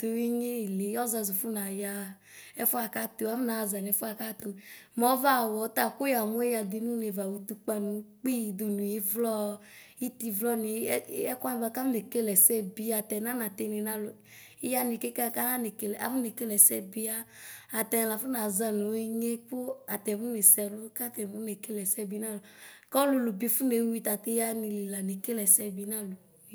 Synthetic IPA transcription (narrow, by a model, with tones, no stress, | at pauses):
t̪o˨i˦ɲe˦i˨le˨˦ɔ˦za˧˨zu˨fu˦na˨ja˧˨ | ɛ˦fu˦a˨ka˦to˨a˦fna˨za˨n˨ɛ˨˦fu˦a˨ka˦t̪o˨mɔ˨˦va˦˨wɔ˨˦t̪a˦˨ku˦ja˨mo˦e˦ja˧d̪i˧nũ˦ne˨va˨wu˨t̪u˧k͡pa˧nũ˨˦k͡pi˦˨d̪u˨nũ˨i˨˦vlɔ˦ | i˦t̪i˧vlɔ˦ni˨˦ɛ˦ka˦n˨ba˧˦ka˦ne˨ke˦lɛ˨sɛ˦bi˧a˨tɛ˨na˦na˨t̪e˦˧ni˨na˦lo˨ | i˦ja˦ni˨ke˦ka˦˨ka˦nã˦ne˨ke˦lɛ˨a˨vu˦ne˨ke˦lɛ˨sɛ˦bi˦aː˦˨ | t̪ɛ˨la˨fu˦nã˨za˦nũ˨˦i˦ɲe˦k͡po˦a˨t̪ɛ˨˦vu˦ne˨sɛ˨lo˦ka˦t̪ɛ˨vu˦ne˨ke˦lɛ˨sɛ˦bi˨˦nã˦˨lo˨kɔ˦lo˧lo˨bi˧fu˦ne˨˦wi˦t̪a˨t̪e˦a˦nĩ˧li˨la˨ne˨ke˦lɛ˨sɛ˦bi˦nã˦lo˨